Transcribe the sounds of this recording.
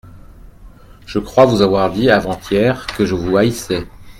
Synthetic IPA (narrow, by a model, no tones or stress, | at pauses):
ʒ̥əkχwavuzavwaʁd̪iavɑ̃t̪jɛʁkəʒəvuaisɛ